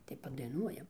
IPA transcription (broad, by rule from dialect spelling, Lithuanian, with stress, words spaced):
tɐɪ pɐdɐɪˈnuɔjɛm